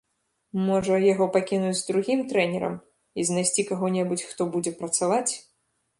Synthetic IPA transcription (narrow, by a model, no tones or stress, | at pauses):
mɔʐɐjaɣɔpakʲinud͡zʲzd̪ɾuɣʲimt̪ɾɛnʲɛɾɐ̰m | iznajsʲt͡sʲikaɣɔnʲɛbut͡sʲxt̪ɔbud͡zʲɛpɾɐt̪savat͡sʲ